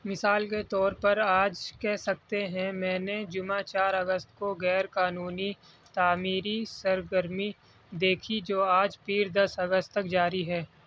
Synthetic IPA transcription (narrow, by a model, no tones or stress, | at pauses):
mɪsaːlket̪ɔːɾpɐɾaːd͡ʒkɛɦsɐk̚t̪eɦɛ̃mɛ̃ːned͡ʒʊmãt͡ʃaːɾɐɡəst̪koɣɛːɾkaːnuːni | t̪aːmiːɾisəɾɡəɾmi | d̪eːkʰid͡ʒoːaːd͡ʒpiːɾd̪ɐsɐɡəst̪ɐk̚d͡ʒaːɾiɦɛː